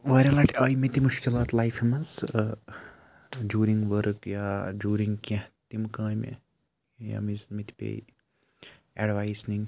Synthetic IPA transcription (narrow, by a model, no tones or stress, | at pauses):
ʋɐːɾʲɐlɐːʈɐːjimit̪imʊʃkilaːt̪lajfɐmɐz | d͡ʒuːɾĩŋɡʋəɾkjaːd͡ʒuːɾiŋɡket̪imkãːjmḛ | ja̰mizmit̪i̥pḛːj | eɖʋaːjsnin